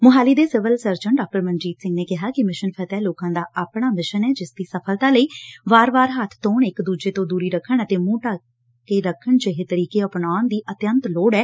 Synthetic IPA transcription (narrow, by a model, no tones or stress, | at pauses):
mʊɦaːliːd̪eːsɪʋəlsəɾd͡ʒəɳɖaːk̚ʈəɾmənd͡ʒiːt̪sɪ̃ŋɡneːkɪɦaːkɪmɪʃənpʰɛt̪ɛːloːkãːd̪aːʔaːpɳ̃aːmɪʃənɛːd͡ʒɪsd̪iːsəpʰəlt̪aːləiːʋaːɾʋaːɾɦət̪ʰt̪õːɳɪkd̪uːd͡ʒeːt̪õːd̪uːɾiːɾəkʰːəɳət̪eːmũːʈaː | keːɾəkʰːəɳd͡ʒeɦet̪əɾiːkeːəpnaːnd̪iːʔət̪jənt̪loːɽɛː